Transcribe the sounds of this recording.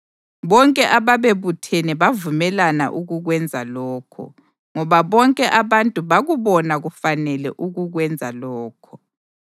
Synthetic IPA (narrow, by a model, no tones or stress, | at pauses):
βɔŋkʼɛʔaβaβeβutʰenɛβavumɛlana̰ʔuɣuɣwɛnd͡zʱalɔːkʰɔ̰ | ŋɔβaβɔŋkʼɛʔaβantʼuβaɣuβɔnaɣufanɛlɛ̰ʔuɣuɣwɛnd͡zʱalɔːkʰɔ̥